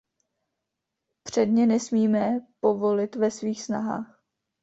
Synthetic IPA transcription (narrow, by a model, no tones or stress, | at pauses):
pr̝̥ɛdɲɛnɛsmiːmɛpo̞vo̞lɪt̪vɛsviːxsna̰ɦa̰ːx